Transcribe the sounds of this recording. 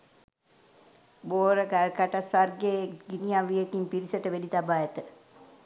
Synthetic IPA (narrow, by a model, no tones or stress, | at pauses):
boːɾəkalkaʈasarɡeɡinijaʋijekimpiɾisəʈəʋedit̪abaːjet̪ə